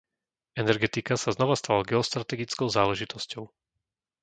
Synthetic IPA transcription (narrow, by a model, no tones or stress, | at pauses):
ɛnɛɾɡɛt̪ikasaznɔʋast̪alaɡɛɔst̪ɾat̪ɛɡit͡skɔʊzaːlɛʒit̪ɔscɔʊ